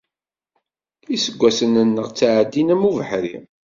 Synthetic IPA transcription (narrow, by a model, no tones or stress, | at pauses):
isəɡʷːæsənənːəʁt͡sːaʕəd̪ːinæmuvəħɾḭ